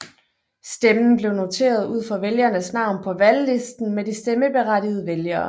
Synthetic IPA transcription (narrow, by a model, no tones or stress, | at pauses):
sd̥emn̩b̥le̝ʊno̝t͡sʰe̝̰ːɐð̞̩ˠuð̰ˠfɒʋeljɐnəsnɑ̈ʊ̰npʰɒ̽ʋælːe̝sd̥n̩medisd̥eməb̥e̝ʁadið̞ˠəʋeljɐː